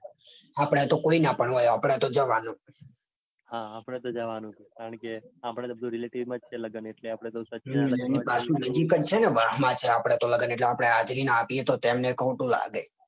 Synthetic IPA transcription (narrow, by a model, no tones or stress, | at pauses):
apəɽ̃et̪okoinapəɳɦojapəɽ̃et̪od͡ʒəʋanũ | hãapɽ̃et̪od͡ʒəʋanũt͡ʃʰekaɾəɳkeapɽ̃ebəd̪ũɾileʈiʋmãd͡ʒt͡ʃʰeləɡəneʈleapɽ̃et̪osət͡ʃɛnipasũnəd͡ʒikət͡ʃʰeneʋaɦmãt͡ʃʰeapəɽ̃et̪oləɡəneʈleapəɽ̃eɦad͡ʒɾinãapiet̪ot̪emnekʰoʈũla̰ɡḛ